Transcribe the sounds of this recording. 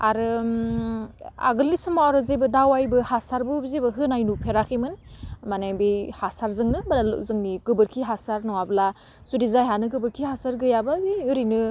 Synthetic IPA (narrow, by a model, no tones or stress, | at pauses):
aɾɯ | a̰ɡɯlːisɯmaɾɯzebɯdawajbɯhasaɾbɯbizebɯɦɯnajnupʰeɾakʰimɯnmanajbihasaɾzɯŋnɯblal̰zɯŋniɡɯbɯɾkʰiɦasaɾnɔŋabla | zudizajɦanɯɡɯbɯɾkʰiɦasaɾɡɯjabɯbiɯɾinɯ